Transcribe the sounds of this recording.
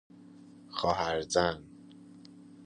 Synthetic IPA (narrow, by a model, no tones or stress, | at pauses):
xɒːɦæɾzæn